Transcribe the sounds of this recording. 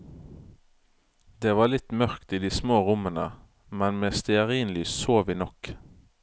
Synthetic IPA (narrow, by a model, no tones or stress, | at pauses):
d̪eːʋɑːlɪt̪mœʁkt̪iːd̪iːsmoːʁʊmənə | mɛnmeːst̪ɪəʁiːnlyːssoːʋiːnɔk